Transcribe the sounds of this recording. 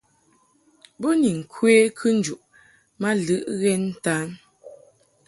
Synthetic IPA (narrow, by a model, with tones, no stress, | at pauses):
bo˦ni˨ŋ̩˨kʰwe˦kʰɨ˦n̩˦d͡ʒu˨ʔ | ma˦lɨ˦ʔɣɛ˦n̩˦ta˦n